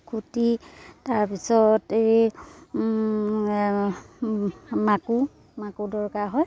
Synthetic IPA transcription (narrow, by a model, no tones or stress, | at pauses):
kʰutitaɹpisɔtei | maku | makudɔɹkaɦɔj